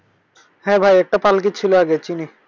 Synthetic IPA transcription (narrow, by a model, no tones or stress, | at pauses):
hɛ̃bʱajek̚ʈapalk̬it͡ɕʰiloaɡet͡ɕini